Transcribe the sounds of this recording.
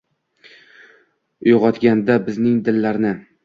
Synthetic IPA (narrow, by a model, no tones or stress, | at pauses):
ʊjʁɒt̪ɡʲand̪abɪznɪŋd̪ɪlːaɾnɪ